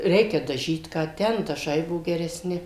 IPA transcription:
ˈrʲɛɪkʲɛ dɐˈʒʲiːt ˈkɑː ˈtʲɛn dɐˈʒɐɪ ˈbuɔ ɡʲɛrʲɛˈsʲnʲɪ

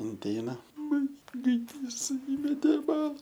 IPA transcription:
ɪnʲˈtʲɛɪnɐ ˈmɐn ɡɐɪˈdʲiːs ˈiːmʲɛtʲeː ɪ ˈbɑːlˠɐ

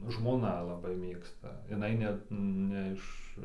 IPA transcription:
ʒmoːˈnɐ lˠɐˈbɐɪ ˈmʲeːkstɐ jɪˈnɐɪ nʲɛt ˈnʲɛ ɪʃ

